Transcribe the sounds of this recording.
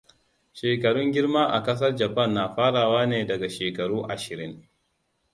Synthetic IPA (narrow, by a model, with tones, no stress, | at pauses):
ʃeː˨kɐ˨ɽʊ˦ŋɡʲɪ˦ɽmaː˦ʔa˨kɐ˦s̬ɐ˦rd͡ʒɐ˨pɐ˦˨nːaː˨ɸaː˦ɽaː˨waː˦neː˨dɐ˨ɡa˨ʃeː˨kɐ˨ɽuː˦ʔa˨ʃɪ˨ɾɪ˦ŋ